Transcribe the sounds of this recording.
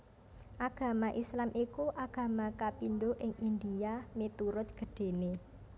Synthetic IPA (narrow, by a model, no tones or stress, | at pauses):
ʔaɡ̥a̤maʔislamʔikuʔaɡ̥ä̤makapinɖoʔɪŋʔind̪iamet̪uɾʊt̪̚ɡ̥ə̤ɖ̥e̤ne